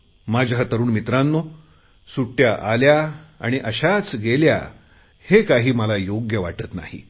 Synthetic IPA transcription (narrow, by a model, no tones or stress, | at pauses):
mad͡ʑʱɦat̪əɾuːnmit̪ɾanːo | suʈjaʔaljaa̰ɽ̃iʔəɕat͡sɡelja̰ | hekaɦiːməlajoɡjəʋaʈət̪na̰hḭ